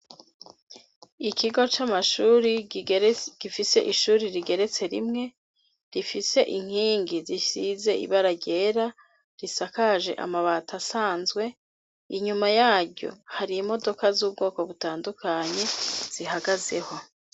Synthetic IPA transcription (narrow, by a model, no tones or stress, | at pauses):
ikʰiɡo̞t͡ʃamaʃuːɾi | ɡ̥ifise̞ʔiʃuːɾiɾiɡe̞ɾe̞t͡se̞ɾimŋe̞ | ɾifise̞ʔiŋ̥hiːŋɡizisize̞ḭβaɾaɟe̞ɾa | ɾisakaʒe̞̰ʔa̰maβaːtʰasaːnzɡwe̞ | iɲumajaːɾɟo̞̰haɾimo̞do̞kazuːb̚ɡoːko̞βutaːndukʰaɲe̞z̥iɦaɡaze̞̰ho̞